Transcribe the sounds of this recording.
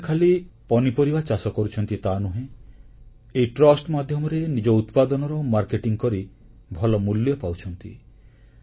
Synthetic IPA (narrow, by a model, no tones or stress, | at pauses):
kʰalipɔnipoɾibat͡ʃasɔkɔɾut͡ʃʰɔnt̪it̪anuɦẽ | ejʈɾɔsʈmad̪ʱjɔmɔɾenid͡ʒɔut̪pad̪ɔnɔɾɔmaɾkeʈiŋkɔɾi | bʱɔlɔmulːjɔpawt͡ʃʰɔnt̪ḭ